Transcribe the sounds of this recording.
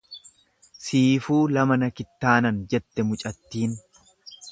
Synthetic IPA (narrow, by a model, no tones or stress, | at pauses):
siːfuːlɐmɐnɐkɪt̪ːaːnɐnd͡ʒɛt̪ːɛmʊt͡ʃʼɐt̪ːiːn